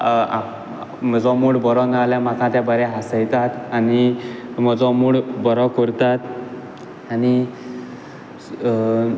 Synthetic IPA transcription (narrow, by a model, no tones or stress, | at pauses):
a | m̤əd͡zɔ̃muɽbɔɾɔnaljam̤akãt̪jãbəɾɛɦasəjt̪at̪anim̤əd͡zɔmuɽbɔɾɔkɔɾt̪at̪ | ani